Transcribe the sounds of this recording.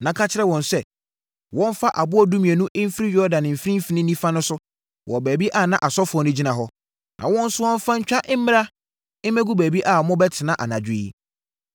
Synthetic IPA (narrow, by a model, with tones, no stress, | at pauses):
nã˨kʰa˦t͡ɕʰɪ˦ɾɛ˦wɔ̃˨nsɛ˨ | wɔ̃˦m˦fa˦ʔa˨bʊ˦ɔ˦dũ˦mĩ˨ɛ˨nũ˦ʔɪ˦m̩˦fi˦ɾi˦jɔ˦dã˨nɪ̃˨m̩˨fɾĩ˦fi˨˦nɪ̃˦nĩ˦fa˦nʊ̃˦sʊ˦ | wʔɔ˨bæː˨bi˦ʔa˦˨nã˦ʔa˨sɔ˦fɔ˨nʊ̃˦d͡ʑi˦nã˨ɦɔ˦ | nʔã̰˨wɔ̃˦n̩˦sʊ˦wɔ̃˦ɱ̩˦fã˦ɲ̩˦t͡ɕᶣa˦ʔɪ˦m̩˦mɪ̃˦ɾa˦ | ɪ̃˦mɛ̃˦ɡu˦bæː˨bi˦ʔa˨mʊ̃˦bɛ˦tʰɪ˨nã˦ʔa˨nã˨d͡ʑᶣɪ˦i˦